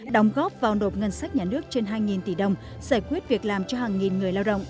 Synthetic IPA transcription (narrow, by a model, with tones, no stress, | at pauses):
ɗə˨˧˩wŋ͡mɣɔ˦˥p̚vaː˨˩wno˨˩t̚ŋə˧nsa˦˥k̚ɲaː˨˩nɨ˦˥ək̚t͡ɕe˧nɦaː˧jŋi˨˩nt̪i˧˩ɗə˨˧wŋ͡m | z̥aː˧˩jkwi˦˥ət̚vi˨˩ək̚laː˨˩mt͡ɕɔ˧haː˨˩ŋŋi˨˩nŋɨ˨˩əjlaː˧wɗə̰˧˨wŋ͡mʔ